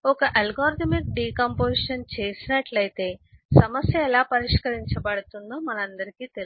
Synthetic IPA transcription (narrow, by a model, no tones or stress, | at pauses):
ɔkɐʔɐlɡaːɾt̪ɐmik̚ɖiːkɐmpoːsiʂɐnt͡ʃe̞ːsinɐʈlɐjt̪e̞ːsɐmɐsjɐɛlaːpɐɾiʂkɐɾiɲt͡ʃɐbɐɽut̪und̪oːmɐnɐɐnd̪ɐɾikiːt̪el